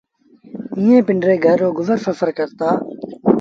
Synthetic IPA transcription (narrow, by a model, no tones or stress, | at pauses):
ĩːẽːpɪɳɖɾeːɡʱəɾːoːɡʊzəɾsəfəɾkəɾt̪aː